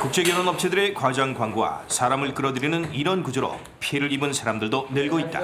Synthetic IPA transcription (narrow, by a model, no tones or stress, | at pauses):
kuk̚t͡ɕ͈e̞ɡjʌnonʌp̚t͡ɕʰe̞dɯɾe̞kwad͡ʑaŋkwaŋɡowa̰sʰaɾamɯɭk͈ɯɾʌdɯɾinɯniɾʌnkud͡ʑɯɾo̰ | pʰieɾɯɾibɯnsʰaɾamdɯɭdonɯɭɡoit̚t͈a̰